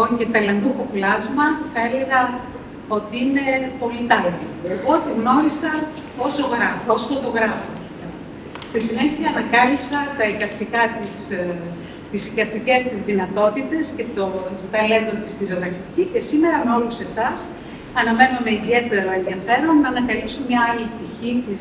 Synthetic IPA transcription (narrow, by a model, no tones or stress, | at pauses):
oɲɟet̪ɐlɐnd̪ufoplɐzmɐθɐele̞ɣɐ | o̞t̪iine̞po̞lit̪ɐltipot̪iɣno̞ɾisɐ | ozo̞ɣɾɐfosfo̞t̪o̞ɣɾɐfoeçikɐ | st̪isine̞çiɐːnɐkɐlipsɐt̪ɐikɐst̪ikɐt̪is | t̪isikɐst̪ice̞st̪izðinɐt̪o̞t̪it̪e̞sce̞t̪ost̪ɐlend̪ot̪ist̪izoðɐkicice̞sime̞ɾɐmeo̞luse̞sɐs | ɐnɐme̞nome̞iðie̞t̪e̞ɾɐe̞nðiɐfe̞ɾo̞nːɐnɐkɐlipsomɲɐɐlip̚t̪içit̪is